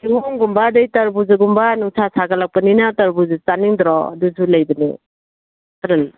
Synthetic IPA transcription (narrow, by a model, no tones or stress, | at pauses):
kiɦɔŋɡumbadɯjtɐɾbuzɯɡumbanuŋsʰasʰaɡalak̚paninatɐɾbuzɯt͡saniŋd̪ɾɔɐ̰duzulajbɐnḭ | taɾal